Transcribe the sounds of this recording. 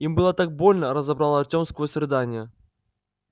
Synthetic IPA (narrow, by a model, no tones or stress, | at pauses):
imbɨlˠət̪ak̚bo̞lʲnəɾəzɐbɾalˠəɐt̪ʲomskəjəsɾʲɪd̪anʲɪjə